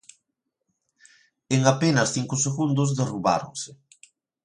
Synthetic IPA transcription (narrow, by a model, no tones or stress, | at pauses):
eŋapenɐsθiŋkʊseɣund̪ʊzðeruβa̰ɾo̰ŋsɪ